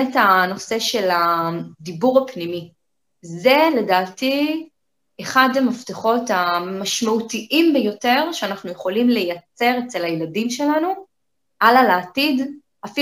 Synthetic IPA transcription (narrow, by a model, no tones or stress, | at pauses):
etano̞se̞ʃe̞ladibuʁapnimi | ze̞le̞daːti | eχadamafteχo̞tamaʃmautiʔimbejo̞te̞ʁʃeanaχnujeχo̞limle̞jat͡se̞ʁet͡se̞lajeladimʃe̞lanu | ʔalalaːtid | afi